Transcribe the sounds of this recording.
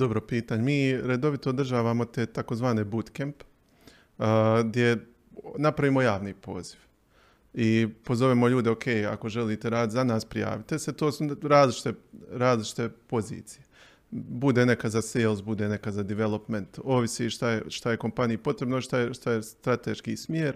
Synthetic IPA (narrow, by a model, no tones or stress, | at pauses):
d̪o̞bɾopiːt̪aːɲemiːɾe̞d̪o̞ʋit̪oːd̪r̩ʒaːʋamo̞t̪eːt̪akozʋaːne̞but̪kemp | ɡd̪je̞ | napɾaʋiːmo̞jaːʋniːpo̞̰ːz̥iʋ | ipo̞zo̞ʋemo̞ʎuːd̪eokʰe̞ːja̰ko̞ʒe̞liːt̪eɾaːd̪it̪zanaːspɾija̰ːʋit̪ese̞t̪o̞ːsuɾaːzlit͡ʃi̥t̪eɾaːzlit͡ʃi̥t̪e̞po̞zḭːt̪sije̞ | bud̪ene̞kazaseːlˠs̬bud̪ene̞kazad̪iʋelˠo̞pment̪o̞ːʋisiʃt̪ajeʃt̪aje̞ko̞mpanijipo̞t̪ɾe̞bnoiʃt̪ajeʃt̪ajest̪ɾat̪ḛʃkḭsmjeːɾ